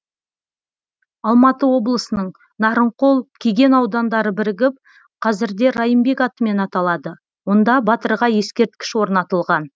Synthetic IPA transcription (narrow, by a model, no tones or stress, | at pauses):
ɑlˠmɑt̪əwo̞blˠəsənəɴ | nɑɾəɴqo̞lˠkʲʰeɡʲe̞nɑwd̪ɑnd̪ɑɾəbɪɾɪɡʲɪp̚ | qʰɑzɪɾd̪e̞ɾɑjəmbe̞kɑt̪əme̞nɑt̪ɑlˠɑd̪ə | wo̞nd̪ɑbɑt̪əɾʁɑje̞skʲe̞ɾt̪kʲɪ̥ʃwo̞ɾnɑt̪əlˠʁɑn